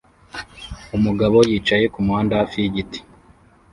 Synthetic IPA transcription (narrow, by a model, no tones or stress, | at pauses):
umuɡaβojiːt͡ʃaje̞kumuhaːndafiɟiti̥